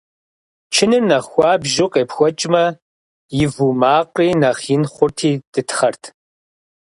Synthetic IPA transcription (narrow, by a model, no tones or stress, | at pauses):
t͡ʃʰɪnɨrnɐxʷɑːbʒɪqʼeːpxʷɔt͡ʃʼmɐ | jɪvumaːqʼiːnɐχɪnχʷʊrtʰiːd̥ɨtʰχɐrtʰ